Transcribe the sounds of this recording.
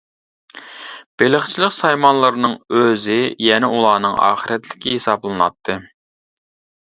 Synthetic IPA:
b̥elɪχt͡ʃʰilˠɪqsɑjmɑnlˠɨɾnɨŋøzɪjɛnɛulˠɑːnɨŋɑ̰ːχəɾɛt̪lɪkʲɪhesɑblˠɨnɑ̰t̪ʰːɨ

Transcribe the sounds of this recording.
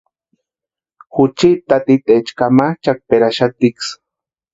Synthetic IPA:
xʊt͡ʃit̪at̪it̪ʼet͡ʃkamaht͡ʃak̚peɾaʃat̪iks

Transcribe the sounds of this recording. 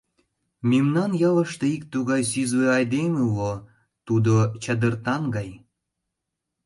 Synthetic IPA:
memnɑnjɑlə̆ʃt̪eik̚t̪uɣɑjsyzβeɑjd̪emelo | t̪ud̪ot͡ɕəd̪ərt̪ɑnɡɑj

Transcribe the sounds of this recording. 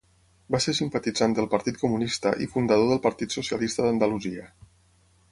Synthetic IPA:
baseɾsimpət̪id͡zand̪əlˠpəɾt̪it̪̚kumunist̪ə̰ʔḭfund̪əð̞oðəlˠpəɾt̪it̪susiəlist̪əðənd̪əluziə

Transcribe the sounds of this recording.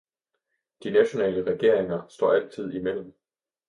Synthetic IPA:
d̥inæɕo̝nɛ̰ːləʁɛɡ̥e̝ɐ̰e̝ŋɐsd̥ɒ̰ːæl̰t͡sʰið̞̰ˠimel̰m̩

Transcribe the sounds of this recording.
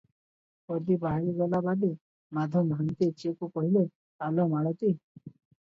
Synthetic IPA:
pɔɾd̪ibaɦɾiɡɔlabad̪i | mad̪ʱɔmʱant̪it͡ʃekukɔɦile | talɔmaɭɔt̪i

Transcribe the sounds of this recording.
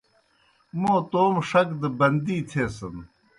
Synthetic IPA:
moːt̪oːmʂɐkd̪ɐbɐnd̪iːt̪ʰeːsɐn

